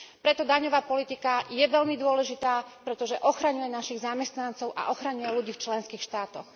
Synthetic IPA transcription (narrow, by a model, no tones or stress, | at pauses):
pɾɛt̪ɔd̪aɲɔʋaːpɔlit̪ikajɛʋɛʎmid̪ʊɔlɛʒit̪aːpɾɛt̪ɔʒɛʔɔxɾaɲujɛnaʃiɣzamɛst̪nant͡sɔʊʔa̰ʔɔxɾaɲujɛluɟiːft͡ʃlɛnskiːxʃt̪aːt̪ɔx